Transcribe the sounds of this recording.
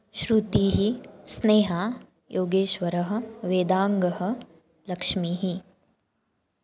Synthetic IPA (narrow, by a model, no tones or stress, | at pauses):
ʃɾut̪iːɦisneːɦaː | jʔoːɡeːʃʋɐɾɐɦɐ̆ʋeːd̪aːŋɡɐɦɐ̆ | lɐkʂmiɦi